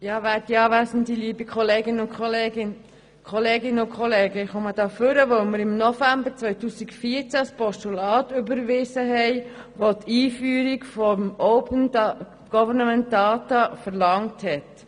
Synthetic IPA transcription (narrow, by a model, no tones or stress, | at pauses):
jɑːʋætiɑːʋæsən̩diliːbikʰχɔleːɡɪnəʊnkʰχoleːɡɪn | kʰɔleːɡɪnəʊkʰχɔleːɡəɪχɔməd̥ɑːfʏɾəʋœʊməɾɪmnɔfæmbəɾt͡sʋœʏtuːsikfiːəɾt͡sæspɔʃtulɑːtʏbəɾʋɪsəɦɛɪʋotʰiːfyːɾikfɔmɔʊpənd | ɡ̥ɔvənəmɛnt̚dɑːtɑfəɾlɑŋthɛt